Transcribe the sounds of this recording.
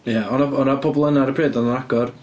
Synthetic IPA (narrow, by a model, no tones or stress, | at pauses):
jaɔnaɔnapʰɔbɔlˠənaɾəpʰreːdɔnanaɡɔr